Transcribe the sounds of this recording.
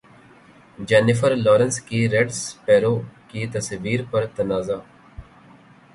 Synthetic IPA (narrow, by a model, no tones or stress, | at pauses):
d͡ʒɛːnɪfʰəɾlɔːɾənskiɾɛɖspɛːɾoːkit̪əsʋiːɾpəɾt̪ənaːzaː